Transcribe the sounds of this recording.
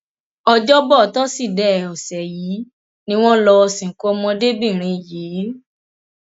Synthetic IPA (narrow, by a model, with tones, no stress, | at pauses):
ɔ˧d͡ʒɔ˦bɔ˦˨tɔ˦si˦˨dɛ˦˨ɔ˨sɛ˨jiː˨˦ | nĩ˦w̃ɔ̃˦lɔ˧ɔ˧sĩ˨ŋ̩˨kɔ˨˦mɔ̃˧de˦bi˦˨ɾ̃ĩ˧˨ji˨˦